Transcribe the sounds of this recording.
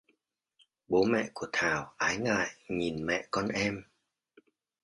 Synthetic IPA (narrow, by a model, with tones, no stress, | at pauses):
ɓo˨˦mɛ̰˧˨ku˧˩ət̪ʰaː˨˩wʔaː˨˦jŋa̰ː˧˨jŋi˨˩nmɛ̰˧˨kɔ˧nʔɛ˧m